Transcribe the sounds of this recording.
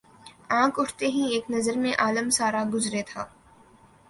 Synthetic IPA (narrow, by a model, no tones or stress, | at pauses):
ãːkʊʈʰt̪eɦĩeːknɐzəɾmẽʔaːləmsaːɾaɡʊzɾet̪ʰaː